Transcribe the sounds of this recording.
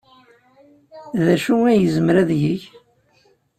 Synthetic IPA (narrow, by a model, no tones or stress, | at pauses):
ðæʃuŋæjəzəmɾæðʝəç